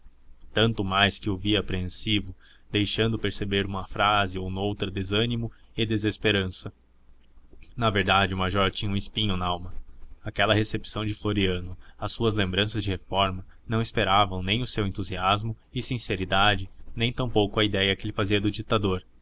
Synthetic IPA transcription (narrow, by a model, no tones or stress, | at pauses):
t̪ɐ̃nt̪ʊmajskɪuviɐapɾeẽsivʊ | d̪ejʃɐ̃nd̪ʊpeɾsebeɾũmɐfɾazɪownowt̪ɾɐd̪ezɐ̃nimʊɪd̪ezespeɾɐ̃sɐ | nɐveɾd̪ad͡ʒɪʊmaʒɔɾt͡ʃĩɲɐũispĩɲʊnɐawmɐakɛlɐɦesepsɐ̃w̃d͡ʒɪfloɾiɐ̃nʊɐsːuɐzlẽmbɾɐ̃sɐzd͡ʒɪhefɔɾmɐ | nɐ̃w̃ɪspeɾavɐ̃w̃nẽj̃ʊsewẽnt̪uziazmʊ | ɪsĩseɾid̪ad͡ʒɪnẽj̃t̪ɐ̃w̃powkʊɐid̪ɛjɐkɪelɪfaziɐd̪ʊd͡ʒit̪ad̪oɾ